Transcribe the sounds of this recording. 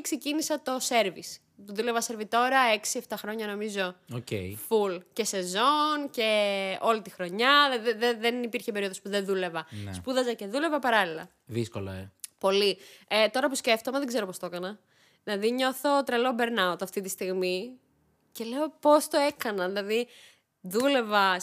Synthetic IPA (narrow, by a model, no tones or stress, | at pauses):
ksecinisɐt̪o̞se̞ɾvis | t̪uðule̞vɐse̞ɾvit̪o̞ɾɐe̞ksie̞ft̪ɐxɾo̞ɲɐno̞mizo̞ocḛifulce̞se̞zo̞nce̞o̞lit̪ixɾo̞ɲɐðeðenipiɾçepeio̞ðo̞spuðenðule̞vɐnspuðɐzɐce̞ðule̞vɐpɐɾɐlilɐ̰ | ðiskolɐ̰epo̞liet̪o̞ɾɐpusce̞ft̪omeðeɡze̞ɾopo̞st̪o̞kɐnɐ | ðilɐðiɲoθo̞t̪ɾelo̞be̞ɾnɐot̪ɐft̪it̪ist̪iɣmi | ce̞le̞o̞po̞st̪oe̞kɐnɐðilɐði | ðule̞vɐ